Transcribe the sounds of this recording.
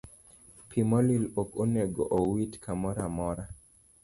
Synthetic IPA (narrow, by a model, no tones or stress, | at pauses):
pʰimɔlilokoneɡoʔɔwitkʰamɔɾamɔɾa